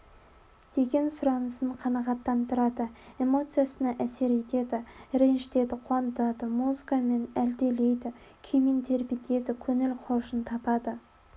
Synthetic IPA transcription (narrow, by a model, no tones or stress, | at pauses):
d̪̥e̞ɡʲe̞nsʊɾɑnəsəɴqʰɑnɑʁɑt̪ːɑnt̪əɾɑd̪əe̞mo̞t̪sɨjasənɑʔæse̞ɾe̞t̪e̞d̪ɪɾe̞nʃt̪e̞d̪ɪqʰuɑnət̪ɑd̪əmuzɨkame̞næld̪e̞le̞jd̪ɪkʲʰemint̪ʰe̞ɾbɪt̪e̞d̪ɪkʲʰɵŋɪlqʰoʃənt̪ʰɑpɑd̪ə